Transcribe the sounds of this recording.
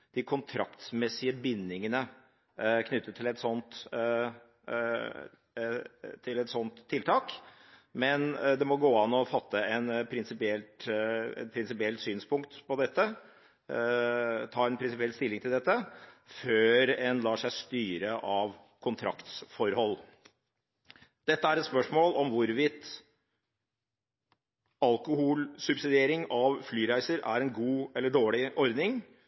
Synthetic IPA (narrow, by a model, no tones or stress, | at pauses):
d̪̥ɪkʰʊnt̪ʰɾɑkt̪smɛsɪəbɪnːɪŋənə | kʰnʏt̪ːəʈʰɪlɛt̪sɔnt̪ | t̪ʰɪlɛt̪sɔnt̪ʰːɪlt̪ʰɑːk | mɛnd̪ɛmɔɡoːɑnːɔfɑt̪ʰːəɛnpʰɾɪnsɪpɪɛlt̪ɛ̰t̪pʰɾɪnsɪpɪɛlt̪syːnspʰʊŋkt̪pɔd̪ɛt̪ːə | t̪ʰɑːɾɛnpɾɪnsɪpɪɛlst̪ɪlːɪŋt̪ʰɪld̪ɛt̪ːəføːɾɛnlɑːʂæɪst̪yːɾəʔɑʋ | kʰʊnt̪ʰɾɑ̰kt̪sfɔɾhɔlː | d̪̥ɛt̪ːəæɾɛt̪spœʂmoːlɔmʋʊɾʋɪt̪ | ɑlkʊhuːlsʉbsɪd̪ɪeːɾɪŋɑʋflyːɾæɪsəɾæɾɛnɡuːɛlːəɖoːɭɪʔɔɾd̪nɪŋ